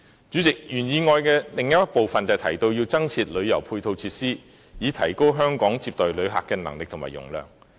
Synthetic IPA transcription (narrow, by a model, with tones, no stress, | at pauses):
t͡ʃyː˨˥t͡sɪ˨k̚jyː˨˩njiː˨˧ŋɔː˧jkɛː˧lɪ˨ŋjɐ˥t̚po˨wfɐ˨nt͡sɐ˨wt̪ʰɐ˨˩jt̪o˧wjiː˧wt͡sɐ˥ŋt͡sʰiː˧t̚lɵ˨˧ɥjɐ˨˩wpʰuː˧jt̪ʰo˧wt͡sʰiː˧t̚siː˥ | jiː˨˧t̪ʰɐ˨˩jko˥wɦœː˥ŋkɔː˨˥ŋt͡siː˧p̚t̪ɔ˨˩jlɵ˨˧ɥɦa̰ː˨kːɛː˧nɐ̰˨˩ŋlɪ˨k̚t̪ʰʊ˨˩ma̰ː˨˩jʊ̰˨˩ŋlœ̰ː˨˩ŋ